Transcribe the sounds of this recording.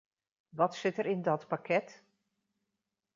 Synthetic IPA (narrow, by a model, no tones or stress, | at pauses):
ʋɔtsɪtəɾɪndɔtpakʰɛt